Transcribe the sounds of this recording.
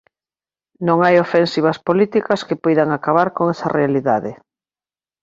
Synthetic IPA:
nõŋajofensiβɐspolit̪ikɐskepɔjðaŋakaβaɾkoŋɛsɐ̰realiðaðɪ

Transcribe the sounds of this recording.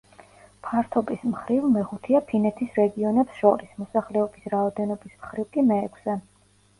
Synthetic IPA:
pʰaɾt̪ʰɔbismχɾivmɛχut̪ʰiapʰinɛt̪ʰisɾɛɡiɔnɛpsʃɔ̰ɾismɔsaχlɛɔbisɾaɔd̪ɛnɔbismχɾivkʼimɛːkʰsɛ

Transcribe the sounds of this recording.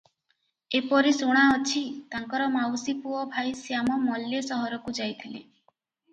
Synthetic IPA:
epɔɾisuɽ̃aɔt͡ʃʰit̪aŋkɔɾɔmawsipuɔbʱajsjamɔmɔlːesɔɦɔɾɔkud͡ʒajt̪ʰile

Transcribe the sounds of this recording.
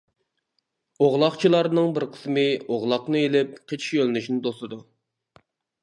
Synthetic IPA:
oʁlˠɑχt͡ʃʰilˠɑɾnɨŋbɪɾqʰə̥smɨoʁlˠɑqnɨelɪp̚qʰet͡ʃʰi̥ʃølɪnyʃinɪd̪osˠɨd̪u

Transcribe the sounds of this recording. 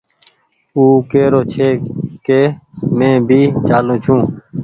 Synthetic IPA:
uːkeːɾoːt͡ʃʰeːkeːmẽːbʱiːt͡ʃaːlõːt͡ʃʰũː

